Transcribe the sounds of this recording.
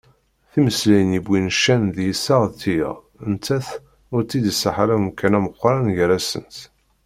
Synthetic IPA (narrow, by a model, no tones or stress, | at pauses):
θiməslæjənibːinʃːænðjisaʁt̪ḭ | ənt̪ːæθ | ʊɾt͡s̪ːid̪səħaɾæmkːænæməqʷːɾˤanʝɾæsə̰nt̪